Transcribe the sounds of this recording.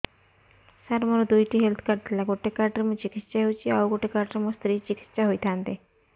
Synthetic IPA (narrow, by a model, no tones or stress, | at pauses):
saɾməɾod̪ujʈiːɦelt̪ʰkaɾʈ̪lakoʈʰekaɾʈəɾmət͡ɕikit̪ːt͡ɕaɦewt͡ɕiaʋkoʈʰekaɾʈəɾməst̪ɾiːt͡ɕiki̥t̪ːt͡ɕaɦojt̪ʰãnt̪e